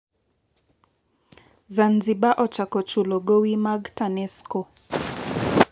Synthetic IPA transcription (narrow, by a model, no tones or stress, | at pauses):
zanziɓaʔɔt͡ʃakɔt͡ʃulɔɡɔwimaɡtanɛskɔ